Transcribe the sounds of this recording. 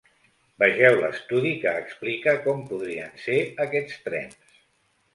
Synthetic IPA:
bəʒɛwlə̰st̪uðikəːksplikəkɔmpuðɾiənseəkɛt͡st̪ɾɛ̰ns

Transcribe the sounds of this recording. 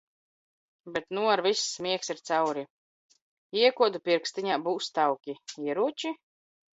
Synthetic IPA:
bɛt̪nuaɾvisːmʲiɛksiɾt̪sawɾi | iɛkuɔd̪upʲiɾkst̪iɲaːbuːst̪awkʲiiɛɾuɔt͡ʃi

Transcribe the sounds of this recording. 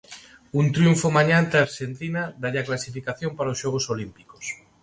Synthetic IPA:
unt̪ɾjuɱfomaɲant̪eaɾʃent̪inaðaʎaklasifikaθjompaɾaosʃɔɣ̞osolimpiko̥s

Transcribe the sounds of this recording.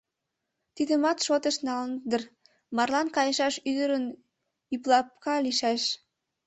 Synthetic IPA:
t̪id̪əmɑt̪ʃot̪əʃnɑlnd̪ər | mɑrlɑnkɑjəʃɑʃyd̪əɾən | yplɑp̚kɑliʃæʃ

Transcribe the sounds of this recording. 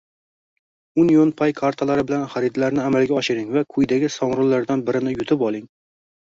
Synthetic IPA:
unjonpʰajkʰaɾt̪ʰalaɾɪbɪlanχaɾɪd̪laɾnɪamalɡʲaɒʃɪɾɪŋvakʰʊjd̪aɡʲɪsɒmɾʊlːaɾd̪anbɪɾɪnɪjʊt̪ʰɪpɒlˠɪŋ

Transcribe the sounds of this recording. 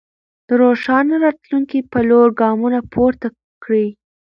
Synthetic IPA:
d̪̥əɾoʃɑnaɾɑt̪luŋkipaloɾɡɑmunapʰoɾt̪a | kɽi

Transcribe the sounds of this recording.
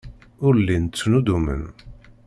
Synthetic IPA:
ʊɾlːint͡sːnud̪umə̰n

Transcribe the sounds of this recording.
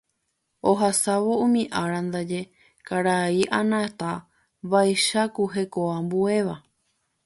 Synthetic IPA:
oɦasaʋo̞ũmĩʔaɾand̪ad͡ʒe̞ | kaɾaiʔanãt̪a | ʋajʃakuɦe̞koambue̞ʋa

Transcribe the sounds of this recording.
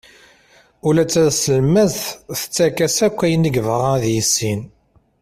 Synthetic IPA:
ulæt͡sːæðsəlmæzθθə̥t͡sːækæsækʷːæjəniɡvʁaðjisːin

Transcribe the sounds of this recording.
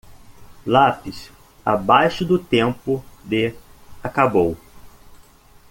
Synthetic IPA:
lapis | a̰bajʃʊd̪ʊt̪ẽmpʊd̪eakabow

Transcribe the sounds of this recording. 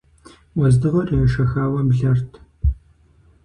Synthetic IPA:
wɔzdɨʁɐrʼɐjɐʃɐxaːwɐbɮɐrtʰ

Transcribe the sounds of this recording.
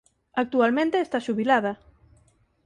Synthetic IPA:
ak̚t̪ualmẽnt̪eːst̪aʃuβilaðɐ

